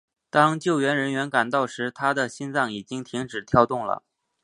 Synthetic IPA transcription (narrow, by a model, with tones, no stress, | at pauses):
t̪ɑ˥ŋt͡ɕjo˥˩ʊɥɛ˧˥nɻə˧˥nɥɛ˧˥nka˨˩nt̪ɑ˥˩ʊʂɻ̩˧˥t̪ʰa˥d̪ə˨ɕi˥nt͡sɑ˥˩ŋi˨˩t͡ɕi˥ŋt̪ʰi˧˥ŋʈ͡ʂɻ̩˨˩t̪ʰjɑ˥˧ʊt̪ʊ˥˩ŋlə̰˩